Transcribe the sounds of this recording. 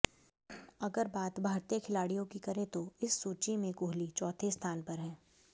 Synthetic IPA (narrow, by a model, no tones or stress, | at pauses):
ɐɡəɾbaːt̪bʱaːɾt̪iekʰɪlaːɽijõkikɐɾẽt̪oɪsːuːt͡ʃimẽkʊːɦlit͡ʃɔːt̪ʰest̪ʰaːnpɐɾɦɛ̃ː